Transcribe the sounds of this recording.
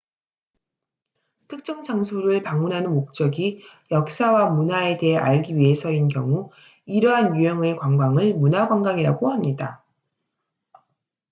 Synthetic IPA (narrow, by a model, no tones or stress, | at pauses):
tʰɯk̚t͡ɕ͈ʌŋsʰaŋsʰoɾɯɭpaŋmunɦanɯnmok̚t͡ɕ͈ʌɡijʌk̚s͈awamunae̞te̞ɦeʔaɭɡiɥie̞sʰʌinkjʌ̰ŋu | iɾʌɦanjujʌŋe̞kwaŋɡaŋɯɭmunaɡwaŋɡaŋiɾa̰ɡohamɲida